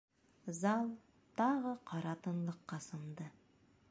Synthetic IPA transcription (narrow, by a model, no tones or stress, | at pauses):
zɑlˠ | t̪ɑʁɤqʰɑɾɑt̪ɤ̆nlˠɤ̆qːɑsɤ̆nd̪ɤ